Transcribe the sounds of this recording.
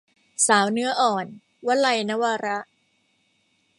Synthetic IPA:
saː˩˦wnɯ˦˥ɐʔɔː˨˩n | wa˦˥la˧jna˦˥waː˧ɾa˦˥ʔ

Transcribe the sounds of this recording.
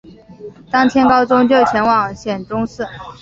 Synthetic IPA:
t̪ɑ˥ŋt̪ʰjɛ˥nkɑ˥ʊʈ͡ʂʊ˥ŋt͡ɕjo˥˩ʊt͡ɕʰjɛ˧˥nwɑ˨˩ŋɕjɛ˨˩nʈ͡ʂʊ˥ŋsɹ̩˥˩

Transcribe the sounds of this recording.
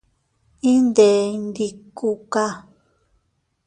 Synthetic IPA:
ĩ˦nd̪e˨nd̪i˧ku˧ka˧

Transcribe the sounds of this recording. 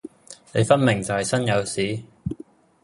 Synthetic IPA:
ne˨˧jfɐ˥nmɪ˨˩ŋt͡sɐ˨whɐ˨jsɐ˥njɐ˨˧wsiː˨˥

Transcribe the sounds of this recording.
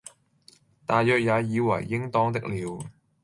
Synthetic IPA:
t̪aː˨jjœː˨k̚jaː˨˧jiː˨˧wɐ̰˨˩jːɪ˥ŋt̪ɔː˥ŋt̪ɪ˥k̚liː˨˧w

